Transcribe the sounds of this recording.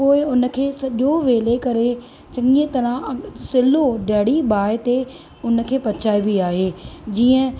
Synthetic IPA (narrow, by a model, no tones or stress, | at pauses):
poːɪʊnə̆kʰeːsɐʄoʋeːlekɐɾe | t͡ʃɐ̃ŋiə̃t̪ɐɾãsɪloɖɐɦɽibaːɪt̪e | ʊn̆kʰeːpɐt͡ɕʰaːibiaːɦeːd͡ʑiːə̃